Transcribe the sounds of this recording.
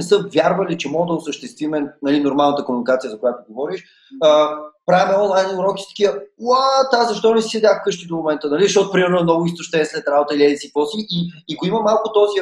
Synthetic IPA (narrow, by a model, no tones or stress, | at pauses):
ɛsɤvʲjaɾvəlit͡ʃɛmɔɡəd̪əʊsəʃt̪ɛst̪vimɛnɐlinoɾmalˠnət̪əkomunikat̪sijəzɐkʊjat̪ʊɡovɔɾiʃ | əpɾaɛmɛɔnlˠajnʊɾɔki̥st̪ɐ̥k̟ijəwat̪azɐʃt̪ɔnɛsi̥sɛd̪ʲjaxkɤʃt̪id̪omomɛnt̪ənɐlizɐʃtɔt̪ʊpɾimɛɾnoɛmnɔɡʊist̪oʃt̪ɛnslɛt̪ɾabot̪əiliɛd̪isikvɔsiʔːkoiməmalˠkʊt̪ɔzi